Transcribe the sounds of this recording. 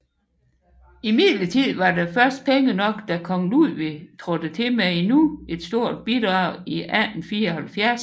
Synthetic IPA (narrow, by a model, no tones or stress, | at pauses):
imið̰ˠlət͡sʰið̰ˠʋɑ̈defɶɐsd̥̚pʰeŋənɒ̽ɡ̥d̥ækʰɒ̽ŋluðʋet͡sʰʁɔd̥ət͡sʰe̝meenue̝d̥sd̥o̝ɐ̰d̥̚b̥id̥ʁɑ̈ʊ̰iʔænn̩fiːɐɒhælfjæɐs